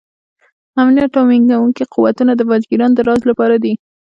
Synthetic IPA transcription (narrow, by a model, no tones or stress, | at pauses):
amnjaʈawmiŋɡawuŋkiquwat̪unad̪əvɑd͡ʒɡiɾɑnd̪əɾɑzlapɑɾad̪i